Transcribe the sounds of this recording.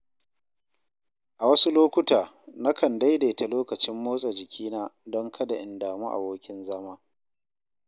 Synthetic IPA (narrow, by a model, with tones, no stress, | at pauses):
ʔa˨wɐ˦su˦loː˦kʷʊ˦taː˨ | na˦kɐ˨nda˦jda˨ta˨loː˦kɐ˨t͡ʃɪ˦mːoː˦sʼa˨d͡ʒɪ˨kʲʰiː˦naː˦dɔ˦ŋkʰɐ˦da˨ʔɪ˨ndaː˨mu˦ʔa̰˨boː˦kʲɪ˦nzɐ˦maː˦